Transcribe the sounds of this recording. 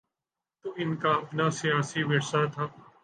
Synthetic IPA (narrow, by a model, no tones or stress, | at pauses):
t̪oɪnkaːɐpnaːsijaːsiːʋɪɾsaːt̪ʰaː